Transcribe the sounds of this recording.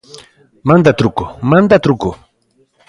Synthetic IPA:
mand̪at̪ɾʊkʊmand̪at̪ɾʊkʊ

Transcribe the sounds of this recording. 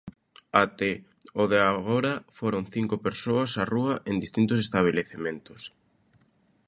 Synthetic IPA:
at̪eoðeaɣoɾafoɾoŋθiŋkʊpeɾsoɐsaruɐʔend̪ist̪int̪ʊsest̪aβ̞eleθemẽnt̪ʊ̥s

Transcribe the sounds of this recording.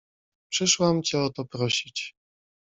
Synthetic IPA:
pʂɘʂwamt͡ɕɛɔt̪ɔpɾɔɕit͡ɕ

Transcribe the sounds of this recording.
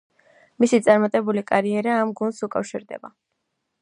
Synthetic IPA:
misit̪sʼaɾmat̪ʼɛbulikʼaɾiɛɾaːmɡunsukʼafʃiɾd̪ɛ̰ba

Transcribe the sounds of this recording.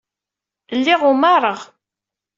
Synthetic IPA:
lːɪʁʊmaɾˤəʁ

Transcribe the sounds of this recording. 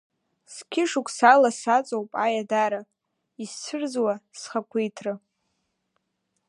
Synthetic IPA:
skʲʰɪʂukʷʰʼsalasat͡sʼowpʼajadaɾa | ist͡sʷʰɨrzwasχakʷʰejtʰrɨ

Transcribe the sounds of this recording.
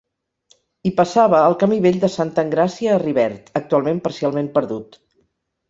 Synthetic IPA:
ipəsaβəːlˠkəmiβeʎʲd̪əsant̪əŋɡɾasiəːriβɛɾt̪ək̚t̪ualˠmempəɾsialˠmempəɾðut̪

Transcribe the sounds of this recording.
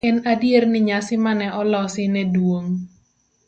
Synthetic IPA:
ɛnadiernɪɲasɪmanɛʔɔlɔsɪnɛduoŋ

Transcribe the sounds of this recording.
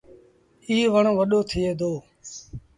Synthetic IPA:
iːʋəɳʋəɗoːt̪ʰɪːeːd̪oː

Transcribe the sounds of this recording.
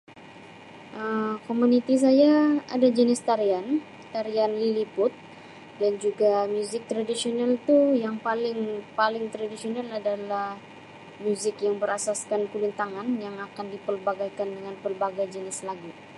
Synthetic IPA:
ʔəmkomunit̪is̬ajaa̰dad͡ʒənɪst̪aɾian | t̪aɾianlilipʊt̪̚ | dand͡ʒuɡamjuzɪk̚t̪ɾadisionalt̪ujaŋpalɪŋpalɪŋt̪ɾadisionaladalah | mjuzɪkjaŋbəɾasaskankulunt̪aŋanjaŋakandipərbaɡajkandəŋanpərbaɡajd͡ʒənɪslaɡi

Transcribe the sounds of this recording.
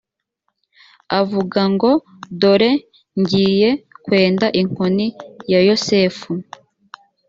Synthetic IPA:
avuɡaŋɡo̞ | do̞ɾe̞ | ɲɟiːje̞kwe̞ːndaʔiŋ̥onijajo̞se̞ːfu

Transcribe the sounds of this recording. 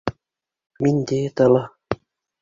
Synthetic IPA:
minʲd̪eːt̪ɑlɑ

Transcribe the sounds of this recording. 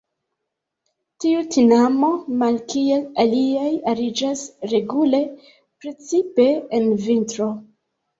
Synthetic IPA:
tiutinamo̞malkielaliajaɾid͡ʒasɾe̞ɡule̞ | pɾe̞t͡sipe̞envintɾo̞

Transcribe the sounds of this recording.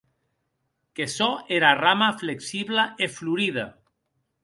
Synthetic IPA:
kesɔeɾaramafleksiβlaefluɾiða

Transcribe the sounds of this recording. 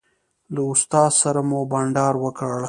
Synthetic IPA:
laʊst̪ɑːsaɾamobaɳɖɑːɾwəkəɽ

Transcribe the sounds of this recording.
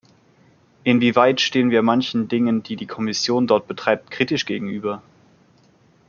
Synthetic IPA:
ʔɪnviːvaɪtʃteːənviːɐmançn̩dɪŋəndiːdiːkʰɔmɪsjoːndɔɐt̚b̥ətʁ̥aɪp̚tkʁ̥iːtɪʃɡ̥eːɡŋ̩ʔyːbɐ

